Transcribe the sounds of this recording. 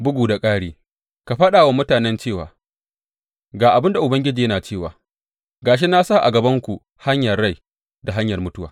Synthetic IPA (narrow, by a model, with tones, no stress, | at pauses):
bʊ˦ɡuː˨da˨kʼaː˦ɽeː˦ | ka˨ɸɐ˦ɗaː˨waː˦mʊ˦taː˨nɛ˦nt͡ʃeː˦˨wa̰ː˨ | ɡaː˨ʔa˨bɪ˦nda˨ʔʊ˨bɐ˦ŋɡʲɪ˦d͡ʒiː˨jɐ˦naː˨t͡ʃeː˦˨wa̰ː˨ | ɡaː˨ʃ̬e˦na˦saː˦˨ʔa̰˨ɡɐ˨bɐ˦ŋkʷu˨ | ha˦ɲjɐ˨rːa˦˨j | da˨ɦa˦ɲjɐ˨rmʊ˦tʊ˦wa̰ː˨